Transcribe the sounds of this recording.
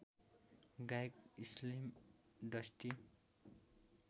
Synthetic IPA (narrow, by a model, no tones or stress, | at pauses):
ɡajkislim | d̪ʌst̪i